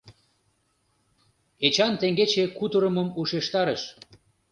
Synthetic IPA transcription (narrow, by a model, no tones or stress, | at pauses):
et͡ɕɑnt̪eŋɡet͡ɕekut̪əɾəməmuʃeʃt̪ɑɾəʃ